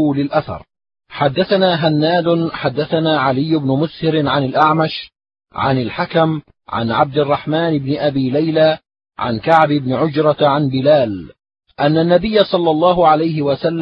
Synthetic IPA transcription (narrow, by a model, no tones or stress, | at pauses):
lɪlʔaθɑ̰ɾˤ | ħad̪ːaθanaːɦanːaːd̪ʊħad̪ːaθanaːʕalɪjːʊbnʊmʊshɪɾɪʕanalʔaʕmaʃ | ʕa̰nalħakam | ʕa̰nʕab̚d̪ɪrˤːɑħmaːnɪbnɪʔabiːlajlaː | ʕa̰nkaʕbɪbnɪʕʊd͡ʒɾˤɑʕanbɪlaːl | ʔanːanːabɪjːasˤɑlːɑlˤːɑːɦʊʕalajɦɪwasalː